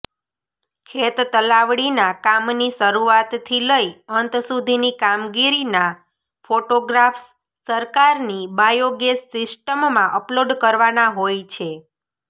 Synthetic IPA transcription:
kʰet̪t̪əlaʋɽinakamniʃəɾuat̪t̪ʰːiləjənt̪sud̪ʱinikamɡiɾina | foʈoɡɾaf | səɾkaɾnibajoɡesːɪsʈəmːãʔəploɖkəɾʋanaɦojt͡ʃʰe

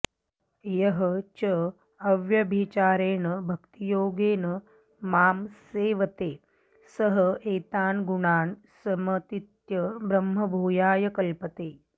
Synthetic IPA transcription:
jɐɦɐt͡ʃɐ | ɐʋjɐbʱit͡ʃaːɾeːɳɐbʱɐkt̪ijoːɡeːnɐ | maːmseːʋɐt̪eː | sɐɦɐeːt̪aːnɡuɳaːɳ | sɐmɐt̪it̪jɐbɾɐmɦɐbʱuːjaːjɐkɐlpɐt̪eː

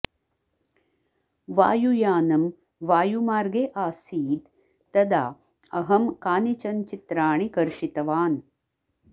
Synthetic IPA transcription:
ʋaːjujaːnɐm | ʋaːjumaːɾɡeʔaːsiːd̪ː | ɐd̪a̰ː | ɐɦɐmkaːnit͡ʃɐnt͡ʃit̪ɾaːɳikɐɾʃit̪ɐʋaːn

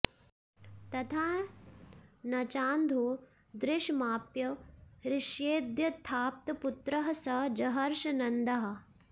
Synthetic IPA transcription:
t̪ɐt̪ʰaː | nɐt͡ʃaːnd̪ʱuː | d̪ɾɪʃmaːpjɐɾɪʃjeːd̪jɐt̪ʰːaːp̚t̪ɐput̪ɾɐɦɐsɐd͡ʒɐɦɐɾʃɐnɐnd̪ɐɦɐ̆

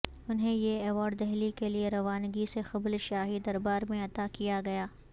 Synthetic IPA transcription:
ʊnɦẽjeɛʋaːɖd̪ɛɦlikelieɾɐʋaːnɡisexɐblʃaːɦid̪ɐɾbaːɾmẽɐt̪akijaɡɐjaː

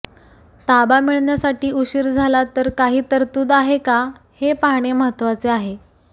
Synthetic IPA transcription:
t̪abamiɭɳjasaʈiːuɕiɾd͡zʱalat̪əɾkaɦiːt̪əɾt̪uːd̪aɦekahepaɳ̃eməɦət̪ʋat͡seaɦe

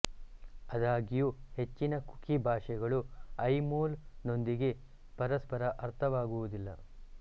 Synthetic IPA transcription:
ɐd̪aːɡijuhe̞t͡ʃːinɐku̥kibʱaːʂɛɡɐɭuɐjmoːlno̞nd̪iɡe̞ | pɐɾɐspɐɾɐʔɐɾt̪ʰɐʋaːɡuʋud̪ilːɐ

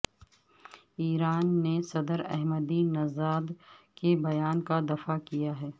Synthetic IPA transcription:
iːɾaːnːesɐd̪əɾɛ̰ɦməd̪inɐzaːd̪ | kebɐjaːnkad̪ɐfakijaɦɛː

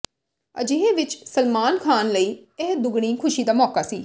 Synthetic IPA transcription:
ə̰d͡ʒeːeːʋɪt͡ʃsəlmaːnkʰaːnləiːɛːd̪ʊɡɽ̃ĩːkʰʊʃiːd̪aːmɔːkaːsiː

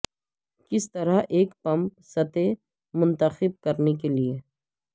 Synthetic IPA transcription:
kɪst̪ɐɾaʔeːkpɐ̃mp̚sɐt̪e | mʊ̃nt̪əxɪb̚kɐɾnekelie

